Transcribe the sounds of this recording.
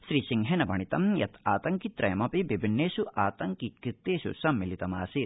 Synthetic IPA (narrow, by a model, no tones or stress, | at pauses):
ʃɾiːsiŋɦenɐbɐɳit̪ɐmjɐt̪ʰaːt̪ɐŋkit̪ɾɐjɐmɐpibibʱinːeːʃuʔaːt̪ɐŋkikɾit̪ːeːʃṵsɐmːilit̪ɐmaːsi